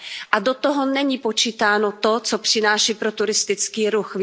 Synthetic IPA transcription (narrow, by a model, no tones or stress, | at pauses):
ʔadot̪oɦo̞nɛɲipo̞t͡ʃiːt̪aːno̞t̪ot͡sopr̝̥ɪnaːʃiːpɾot̪uɾɪst̪ɪt͡skiːɾuxv